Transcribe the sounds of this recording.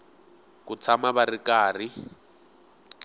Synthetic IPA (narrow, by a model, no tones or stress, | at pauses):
kut͡sʰamaβarikaːri